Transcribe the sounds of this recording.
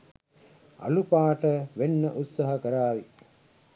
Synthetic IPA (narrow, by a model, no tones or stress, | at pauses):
a̰lupaːʈəʋenːəʔut̪saɦɐkəɾaːʋi